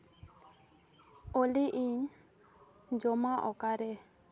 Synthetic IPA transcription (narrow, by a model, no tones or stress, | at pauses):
oliʔiɲ | d͡ʒɔmaʔɔ̰kaɾɛ